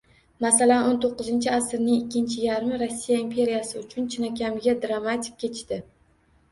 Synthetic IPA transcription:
masalanont̪ʰoqːɨzɪnt͡ʃʰɪasɪɾnɪŋɪkʲːɪnt͡ʃʰɪjaɾmɪɾosːijaimpʰe̞ɾijasɪʊt͡ʃʰʊnt͡ʃʰɪnakʲʰamɡʲad̪ɾamat̪ʲʰɪ̥k̚ʲkʲe̞t͡ʃd̪ɪ

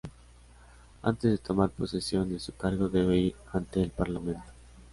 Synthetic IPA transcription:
a̰nt̪ezðe̞t̪o̞maɾpo̞sisjo̞nd̪esukaɾɣo̞ðe̞βe̞iɾ | ant̪e̞ːlpaɾlamẽ̞nt̪o̥

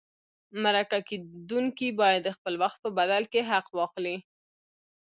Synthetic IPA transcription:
maɾakaked̪uŋkibɑjad̪ːəxpəlwaxt̪̚pəbad̪alkeɦaqwɑxli

